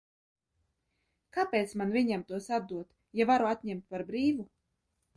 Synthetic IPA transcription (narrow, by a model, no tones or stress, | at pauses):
kapeːt̪smanvʲiɲɛmt̪uɔsad̪d̪uɔt̪ | javaɾuat̪ʲɲɛmt̪paɾbɾiːvu